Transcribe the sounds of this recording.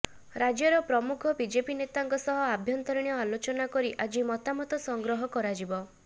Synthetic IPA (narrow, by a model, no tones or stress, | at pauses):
ɾad͡ʒjɔɾɔpɾɔmukʰɔbid͡ʒepinet̪aŋkɔsɔɦɔabʱjɔnt̪ɔɾɽ̃jɔalot͡ʃɔnakɔɾiʔad͡ʒimɔt̪amɔt̪ɔsɔŋɡɾɔɦɔkɔɾad͡ʒibɔ